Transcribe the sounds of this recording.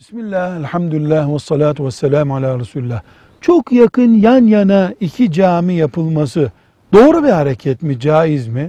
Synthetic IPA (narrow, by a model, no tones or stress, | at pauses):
bismilʲːæhælʲħamd̪ulʲilʲːæːhwasˤːɑlaːt̪ʰuwasːɛlʲaːmalʲaːɾasuːlʲilʲːah | t͡ʃʰokjakʰɯnjanjanaicʰid͡ʒaːmijapʰɯlˠmasɯ | d̪̥o̞ːɾubihaɾecʰɛt̪mid͡ʒaːjizmi